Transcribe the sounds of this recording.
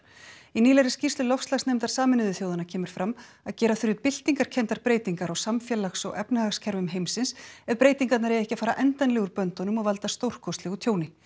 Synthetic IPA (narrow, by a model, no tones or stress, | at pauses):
iniːlɛɾɪscirst̪ʏlɔfslaxsnejmt̪aɾ̥saːmɪnɪðʏθjoːwðanacʰɛːmɪɾ̥fɾam | aðcɛːɾaθʏɾjɪpɪl̥t̪iŋkaɾ̥cʰɛnt̪aɾpɾeːjt̪iŋkaɾawsamfjɛlaxsɔ̰ɣɛpnɪaxscʰɛɾvʏmɦejmsɪnsɛðpɾeːjt̪iŋkat̪naɾɛjɛhcafaːɾaʔɛnt̪ajnlɛɣʏɾpœnt̪ɔnʏmaɣvalt̪ast̪owr̥kʰɔst̪lɪɣut̪ʰjoːwnɪ